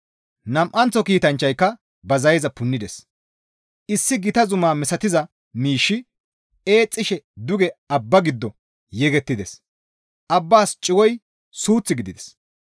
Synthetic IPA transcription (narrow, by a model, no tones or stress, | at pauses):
nɐmʔɐnt͡sːɔkiːt̪ɐnt͡ʃːɐjkːɐ | bɐzɐjɛzɐpʊnːɪd̪ɛs | ɪsːɪɡɪt̪ɐzʊmaːmɛsɐt̪ɪzɐ | miːʃːɪ | e̞ːt͡sʼːɪʃɛd̪ʊɡɛɐbːɐɡɪd̪ːɔ | jɛɡɛt̪ːɪd̪ɛs | ʔɐbːaːst͡ʃʼɪwɔj | suːt͡sːɪɡɪd̪ɪd̪ɛ̥s